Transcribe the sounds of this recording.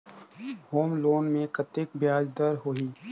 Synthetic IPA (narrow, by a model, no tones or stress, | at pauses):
hoːmloːnmẽkɐt̪ɪkbjaːd͡ʒd̪əɾɦoiː